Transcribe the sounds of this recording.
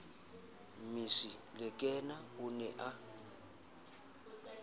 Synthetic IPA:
misilɛkʼɛnaʊnɛʔa

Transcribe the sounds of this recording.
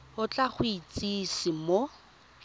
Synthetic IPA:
ʊt͡ɬʼaχʊit͡sʼisɪmo

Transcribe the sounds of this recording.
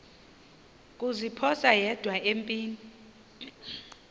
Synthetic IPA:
kʼuzipʰɔsajɛd̥ʱwaʔempʼiːni

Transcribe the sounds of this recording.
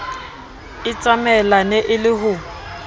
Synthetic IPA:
ɪt͡sʼamɛlaneʔɪlɪɦʊ

